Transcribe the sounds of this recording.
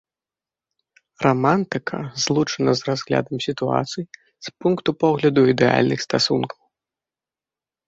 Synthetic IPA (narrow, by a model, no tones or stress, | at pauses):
rɔmant̪ɨkʰɐ̰zlˠut͡ʂɐnɐzrazɣlʲa̰d̪ɐmsʲit̪ua̰t̪sɨj | spunkt̪upɔɣlʲɐd̪uid̪ɛa̰lʲnɨxst̪asunkɐw